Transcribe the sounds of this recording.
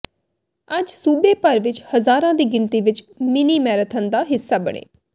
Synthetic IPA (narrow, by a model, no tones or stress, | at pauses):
əd͡ʒsuːbeːpəɾʋɪt͡ʃhəzaːɾãːd̪iːɡɪnt̪iːʋɪt͡ʃ | mɪniːmɛːɾət̪ʰənd̪aːɦɪsːaːbə̰ɳ̃ḛː